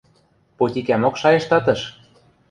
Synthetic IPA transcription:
pot̪ʲikæmokʃɑjɤ̆ʃt̪ɑt̪ɤ̆ʃ

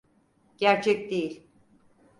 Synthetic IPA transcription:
ɟ̥æɾt͡ʃʰɛc̚d̪ejilʲ

